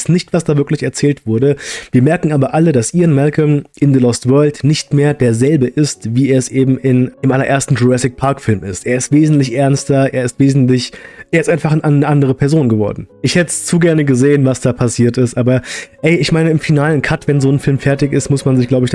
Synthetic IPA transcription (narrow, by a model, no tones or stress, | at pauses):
snɪçtv̥asd̥aːvɪɐklɪçɛɐt͡sɛːltv̥ʊɐdəviːɐmɛɐkŋ̩ʔaːbɐʔalədasʔiːənmɛlkəmʔɪndəlɔstv̥œɐltnɪçtmeːɐdeːɐzɛlbəʔɪstviːeːɐɛsʔeːbm̩ɪnd̥eːmʔalɐʔeːɐstn̩dʁoɛsɪk̚pʰaɐkfɪlmɪstʔeːɐɪstv̥eːzn̩tlɪçʔɛɐnstɐʔeːɐɪstv̥eːzn̩tlɪçʔeːɐɪstʔaɪnfaχanʔannəʔandəʁ̞əpʰɛɐzoːnɡəvɔ̰ɐdn̩ʔɪçhɛtəst͡suːɡɛɐnəɡəzeːənvasd̥aːpʰasiːɐtɪstʔaːbɐɛɪɪçmaɪnəɪmfinaːlənkʰatv̥ɛnzoːnfɪlmfɛɐtɪçɪstmʊsmanzɪçɡ̥laʊbəɪç